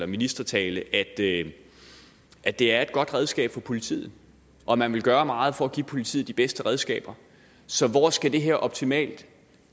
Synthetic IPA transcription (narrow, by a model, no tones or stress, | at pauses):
lɐminisd̥ɐt͡sʰɛːləʔæd̥ | ʔæd̥e̝æɐe̝d̥̚ɡ̥ɒ̽d̥ʁɛð̞ˠsɡ̥ɛ̰ːb̥fɒ̽pʰo̝lit͡sʰḭːð̩ˠ | ʔɒ̽mænʋe̝lɡ̥ɶːɐmɑ̈ːð̞̩ˠfɒ̽æɡ̥ipʰo̝lit͡sʰḭːd̥ib̥esd̥əʁɛð̞ˠsɡ̥ɛ̰ːb̥ɐ | sɒ̽ʋɒsɡ̥æd̥e̝ɦeɐ̰ʔɒ̽b̥t͡sʰimɛ̰ːld̥